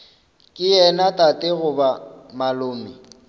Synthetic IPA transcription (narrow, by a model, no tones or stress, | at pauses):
kʼɪjɛnatʼatʼɪɣʊbamalʊːmɪ